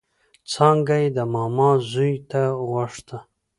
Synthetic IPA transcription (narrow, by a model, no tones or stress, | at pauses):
t͡sɑŋɡajd̪əmɑmɑzujt̪awaʂt̪a